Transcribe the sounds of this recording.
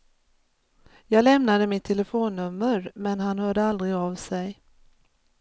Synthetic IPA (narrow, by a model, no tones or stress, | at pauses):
jɑːɡlɛmnad̪əmɪt̪ʰːɛləfoːnːɵmːəɾmɛnɦanhœːɖəald̪ɾɪɡavsɛj